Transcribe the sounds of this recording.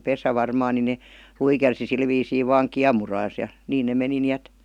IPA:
pesæ ʋɑrmɑːn ni ne luikersi sil ʋiːsiː ʋɑŋ kiɑmurɑːs jɑ niːn ne meni ni æt

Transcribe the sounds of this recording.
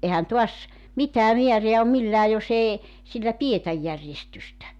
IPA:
ehæn tuɑs mitˑæː miæreæ om milːæː jos eː silːæ pietæj jærjestystæ

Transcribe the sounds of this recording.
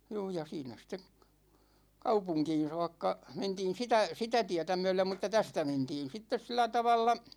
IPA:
juː jɑ siːnæ ste kɑupuŋkiːn̞ soɑkːɑ mentiːn̞ sitæ sitæ tiætæ myɛ̹lem mŭtˑɑ tæstæ mentiːn sitːes silːæ tɑʋɑlːɑ

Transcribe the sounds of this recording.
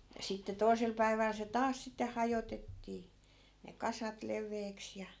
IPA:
jɑ sitːe toi̯sel pæiʋæl se tɑːs sitːe hɑjotetːiː ne kɑsɑt leʋˑeːks jɑ

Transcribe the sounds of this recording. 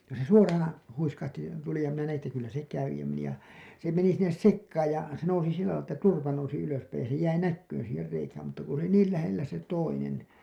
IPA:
jɑ se suorɑːn̞ huiskɑhti tuli jɑ minæ næj̆in etːæ kylːæ se kæʋi jɑ meni jɑ se meni sinːes sekːɑːj jɑ se nousi silːælɑi tːæ turpɑ nousi yløspæij jɑ se jæi nækːyːn̞ siːher reikæːm mutːɑ ku se oli niːl læhelːæ se toinen

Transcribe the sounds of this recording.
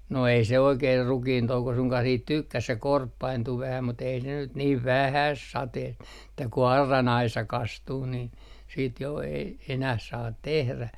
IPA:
no ei se oikeːr rukiːntouko suŋkɑh siːt tykːæs̆ se korpːɑintu ʋæhæ mut ei ne nyt niːʋ ʋæhæs sɑteːst ĕtˑæ ku ɑrːɑn ɑisɑ kɑstuː nin siːt jo ei enæh sɑːt tehræ

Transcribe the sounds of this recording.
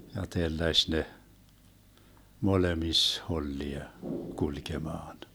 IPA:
jɑ telːæʃ ne molemis holːiɑ kulkemɑːn

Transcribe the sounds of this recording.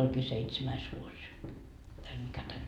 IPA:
olʲkiː seitsemæis ʋuos tæl mikæ tænːe

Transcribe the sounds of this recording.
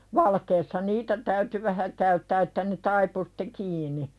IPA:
ʋɑlkeːsːɑ niːtæ tæyty ʋæhæ kæytːæː etːæ ne tɑipu si̥tˑe kiːni

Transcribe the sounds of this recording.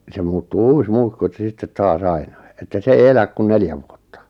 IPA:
se muːtːuː uːs muikːu etˑæ̆ s̆ĕ sitːet tɑːs ɑinɑi etːæ sĕ ei elæk kun neljæ ʋuotːɑ̥

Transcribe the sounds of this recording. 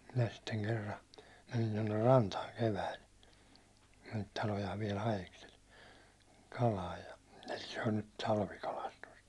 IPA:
minæ sitːeŋ kerːɑ menin tonːer rɑntɑːŋ keʋæil ne niːt tɑlojɑːʋ ʋiɛl hɑjeksel kɑlɑːj jɑ se on nyt tɑlʋikɑlɑstust

